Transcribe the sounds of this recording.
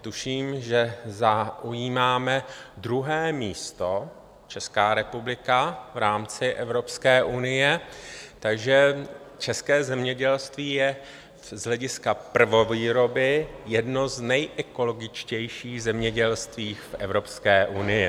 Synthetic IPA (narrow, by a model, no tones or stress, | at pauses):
t̪uʃiːmʒɛzaʔujiːmaːmɛdɾuɦɛːmiːst̪o̞ | t͡ʃɛskaːɾɛpublɪkavɾaːmt͡sɪʔɛvɾo̞pskɛːʔunɪjɛt̪aɡʒɛ | t͡ʃɛskɛːzɛmɲɛɟɛlst̪viːjɛ | zɦlɛɟɪskapr̩vo̞viːɾo̞bɪjɛdno̞znɛjʔɛko̞lo̞ɡɪt͡ʃcɛjʃiːɣzɛmɲɛɟɛlst̪viːxfʔɛ̰vɾo̞pskɛːʔunɪjɪ